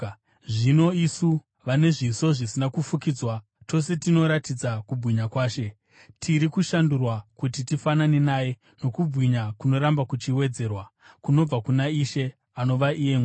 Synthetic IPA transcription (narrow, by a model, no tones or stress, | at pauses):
ʐino̞isu | ʋane̞ʐiso̞ʐisinakufukid͡zwa | to̞se̞tino̞ɾatid͡zakubʱwiɲakwaːʃe̞ | tʰiɾikuʃandurwakutitifananenaːje̞ | no̞kub͡vʱwiɲakuno̞ɾambakut͡ʃiwe̞d͡ze̞ːrwakuno̞b͡vakunaiʃe̞ | ano̞ʋaʔijeŋw